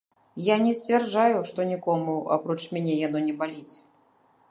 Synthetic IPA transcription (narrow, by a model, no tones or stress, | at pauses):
janʲɛsʲt͡sʲvʲɛrd͡ʐajuʂt̪ɔnʲikɔmua̰pɾɔt͡ʂmʲanʲɛjanɔnʲɛbalʲit͡sʲ